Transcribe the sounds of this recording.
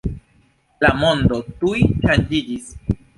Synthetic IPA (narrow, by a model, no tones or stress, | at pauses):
lamo̞ndo̞tujʃand͡ʒid͡ʒis